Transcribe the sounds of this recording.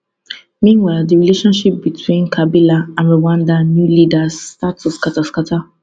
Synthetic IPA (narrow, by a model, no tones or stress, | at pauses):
mĩnwaɪlˠdiɹileʃɔ̃nʃip̚bitʰwĩnkʰabilaãnɹiwãndanjulidasːtatɔskataskatʰa